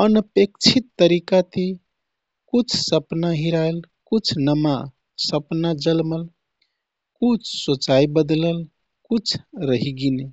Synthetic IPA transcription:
ənəpekt͡ʃʰit̪ːəɾikat̪i | kut͡ʃʰsəpnaɦiɾael | kut͡ʃʰnəma | səpnad͡ʒəlməl | kut͡ʃʰsot͡ʃaibəd̪ləl | kut͡ʃʰɾəɦiɡine

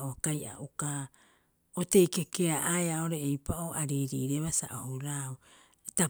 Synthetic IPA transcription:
oakaja̰ʔuka | ote̞jkekeaʔaeao̞ɾe̞ːjpaʔoːʔaɾiːɾiːɾeβasa̰ʔohuɾau | eta

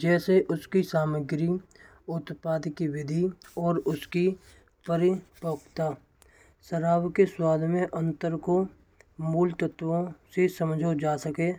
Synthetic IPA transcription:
d͡ʒɛːseʔʊskisaːməɡɾi | ʊt̪paːd̪kiwɪd̪ʱiɔːɾʊski | pəɾɪpoːkt̪aː | səɾaːwkeswaːd̪ʱmẽʔə̃nt̪əɾko | muːlt̪ət̪ʋõsesəmd͡ʒʱod͡ʒaːsəkeː

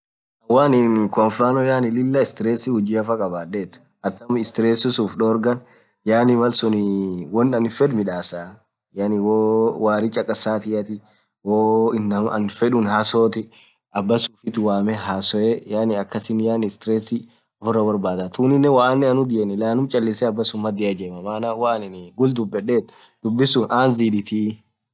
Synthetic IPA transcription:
ʔɐwaːnɪnkɔnfɾaːnɔjaːnɪlɪlːɐɪst̪ɪɾesɪhʊd͡ʒiɐfɐkʼɐbaːeːt̪ːʊ̥ | ɐt̪ːɐmɪst̪ɪɾeːsɪsuːfᶑoːɾɡɐn | jaːnɪmɐlsʊnɪwɔnːɐnfɛd̪mɪᶑaːsa | jaːnɪwoːwaːɾɪt͡ʃʼɐkʼːɐsaːt̪ɪjɐt̪ɪ | woːɪnːɐmɐɐ̰nfɛᶑʊnhaːsoːt̪ɪ | ɐbːɐsuːfɪt̪ɪwaːmɛɦaːsɔɛjaːnɪɐkːɐsɪnːjaːnɪst̪ɾɛsɪ | ɔfʊrːɐbɐɾbaːd̪at̪uːnɪnːɛwaːnːɪɐnʊd̪ɪʔɛnɪlaːnʊmt͡ʃʼɐlːɪsɛɐbːɐsʊmːɐd̪ɪʔad͡ʒɛːmɐmaːnawanɪnɪɡʊld̪ʊbːɛᶑeːt̪ | d̪̥ʊbːɪsuːnʔaːnziːd̪ɪt̪ʰi

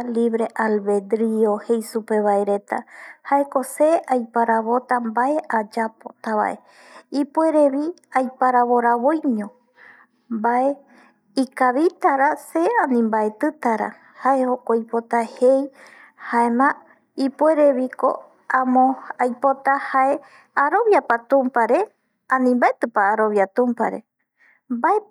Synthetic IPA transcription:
liβɾe̞ʔalβe̞d̪ɾiohe̞jsupe̞βaeɾe̞t̪ahae̞ko̞seajpaɾaβo̞t̪ambaeʔad͡ʒapot̪aβa̰ʔe̞ | ipwe̞ɾe̞βiajpaɾaβo̞ɾaβojɲõ | mbae | ikaβit̪aɾaseanĩmbaet̪ɨt̪aɾa̰ | hae̞hokoipo̞t̪ahej | haemã | ipue̞ɾe̞βiko̞̰ | ãmõajpo̞t̪ahae̞ | aɾoβjapat̪ũmpaɾe̞ | ãnĩmbaet̪ɨpaːɾo̞βjat̪ũmpa̰ɾe̞̰ | mbae

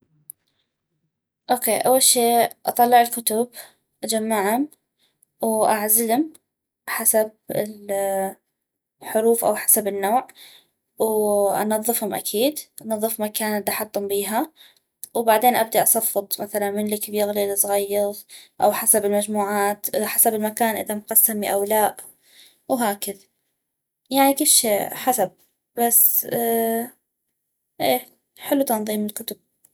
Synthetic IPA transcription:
ʔoːkeːʔawːalʃeːʔɑ̰t̪ˤɑlːɪʕɪlkʊt̪ʊb | ʔad͡ʒamːaʕhʊm | wʔaʕzɪlʊm | ħasab̚ɪl | ħʊɾuːfʔa̰wħḁsabɪnːoːʕ | wʔɑnɑðˤːɨfhʊmʔa̰kʰiːd̪ʔanɑðˤːɨfmakaːnad̪aħɑt̪ˤːʊmbiːɦa | wbaʕd̪eːnʔab̚d̪aʔɑsˤɑfːɨt̪ˤmaθalanmɪnlɪkbjɪɣlilsˤɣɑjːɑɾˤʔa̰wħasabɪlmad͡ʒmuːʕaːt̪ħasabɪlmakaːnʔɪðamqɑsːamiʔawlaːʔ | wɦaːkɪða | jaʕnikʊlːʃeːħasab̚ | bas | ʔeː | ħɪlːut̪ɑnðˤiːmɪlkʊt̪ʊb̥̚

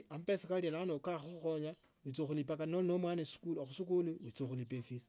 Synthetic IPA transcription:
ampesikalielanokaxuxuxoɲa | ut͡soxulipakanolnomwanesi̥kulxusikuluwut͡soxulipefis

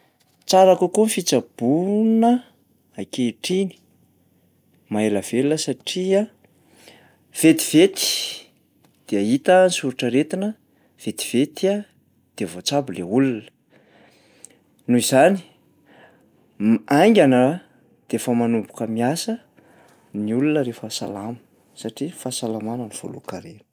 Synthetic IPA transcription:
t͡saɾakukunfit͡sab̥unə | akeʈ͡ʂini̥ | maeləv̥elnəsaʈ͡ʂia | v̥et̪i̥v̥et̪i̥ | d̪̥eait̪ənsuɾuʈ͡ʂəɾet̪inə | v̥et̪i̥v̥et̪ia | d̪̥eəvot͡sabuleulunə̥ | nuizani̥ | aj̃ŋɡʲanə | d̪̥eefəmanubukəmiasə | niulunəɾefəsa̰lamə̥ | saʈ͡ʂifasalamanəniv̥o̰lṵkaɾen̥

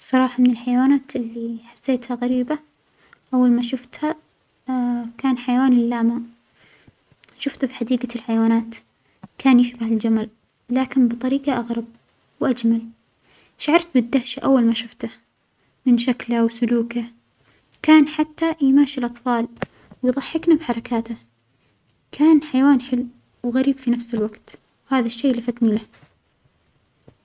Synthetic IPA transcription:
sˤɑɾˤɑːħɑmɪnɪlħajawaːnaːt̪ʔɪlːiħḁsːeːt̪haɣaɾiːba | ʔawːalmaʃʊft̪ha | kaːnħajawaːnɪlːaːma | ʃʊft̪fiħad̪iːɡalħajawaːnaːt̪ | kʰaːnjɪʃbahɪld͡ʒamal | laːkɪnbɨt̪ˤɑɾiːqɑʔaɣɾɑb̚ | wʔad͡ʒmal | ʃaʕɑɾˤt̪̚bɪd̪ːahʃaʔawːalmaʃʊft̪a | mɪnʃaklawsʊluːka | kaːnħat̪ːajmaːʃɪlʔɑt̪ˤfɑːl | wɪjðˤɑħːɪknabħɑɾˤɑkʰaːt̪a | kʰaːnħajawaːnħɪlː | wɣaɾiːbfinafsɪlwaɡt̪ | whaːðaʃːeːlafat̪nilah

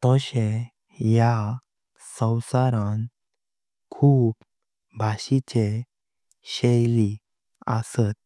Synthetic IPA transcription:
t̪əɕe | ja | sə̃wsaɾãn | kʰuːb | bʱaɕit͡ɕe | ɕejli | ə̰sət̪̚

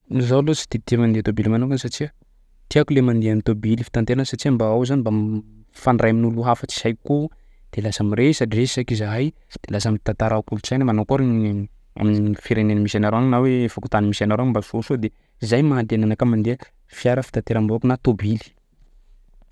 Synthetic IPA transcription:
izawlosi̥t̪it̪iamand̪eat̪obilimanukansaʈ͡ʂiə | t̪iakulemand̪eamint̪obilifi̥t̪ant̪eɾansaʈ͡ʂiambaawzanibafanrajminuluɦafət͡si̥sajko | d̪̥elasamiresaʈ͡ʂiei̥sakizaɦaj | d̪̥elasamit̪ant̪aɾakult͡sajnamanokuaɾi | a̰minifiɾenenmisanaɾoaŋnaweefaku̥t̪animisanaɾoaŋimbasosod̪e | izajmaand̪enanakamand̪eə | fiaɾəfi̥t̪ant̪eɾambokunat̪obili̥

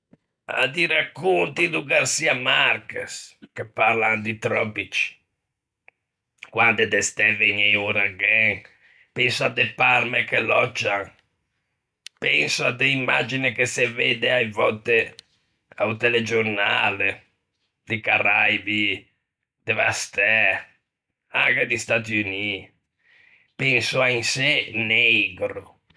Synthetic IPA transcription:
a̰d̪iɾakːont̪id̪uɡarsiamarkeskepːaɾlaŋd̪it̪ɾɔbit͡ʃ | kwand̪ed̪ɛst̪ɛveɲeuɾaɡɛŋ | pɛnsoad̪eparmekelɔd͡ʒːaŋ | pɛnsʊad̪eimːad͡ʒinekesːeved̪eajvɔt̪e | awt̪eled͡ʒornaːle | d̪ɪkaɾajbi | d̪̥eva̰st̪ɛ | aŋked̪ist̪at̪iuni | pɛnsʊainsenɛjɡɾʊ

